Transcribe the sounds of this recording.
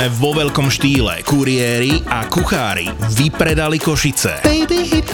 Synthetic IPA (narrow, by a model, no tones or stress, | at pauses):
ɛʋɔʋɛʎkɔmʃt̪iːlɛ̰kuɾɪɛɾiakuxaːɾḭʋipɾɛd̪alikɔʃit͡sɛ̰ɛjbɛɦi